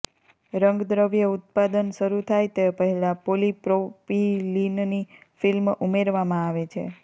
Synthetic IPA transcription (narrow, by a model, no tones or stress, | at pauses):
ɾəŋɡd̪ɾəʋjəut̪̚pad̪ənʃəɾut̪ʰajt̪epəɦɛlapolipɾopilinnifilmumeɾʋamãaʋet͡ʃʰḛ